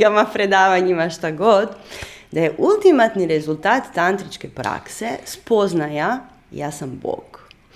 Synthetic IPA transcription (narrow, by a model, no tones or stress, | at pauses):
ɡamapɾed̪aːʋaɲimaʃt̪aɡod̪d̪ajeʔulˠt̪imat̪niɾezulˠt̪aːt̪t̪ant̪ɾit͡ʃkepɾa̰ksespo̞znaja | ja̰ːsambo̰ɡ